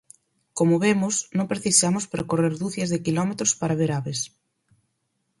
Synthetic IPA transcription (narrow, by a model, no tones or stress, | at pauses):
komʊβemʊsnõŋpɾeθisamʊspɾekoreɾðuθjezðekilɔmet̪ɾospaɾaβeɾaβes